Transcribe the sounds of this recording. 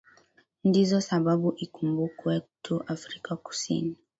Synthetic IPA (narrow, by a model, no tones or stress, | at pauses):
ndizɔsaɓaɓuʔikumbukwɛtʰuʔafɾikaku̥sḭni